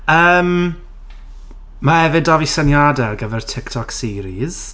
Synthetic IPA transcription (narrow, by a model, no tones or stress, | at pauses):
əːm | mahɛvɪdɔvisənjadɛrɡəvɛrtʰɪktʰɔksiːɾiz̥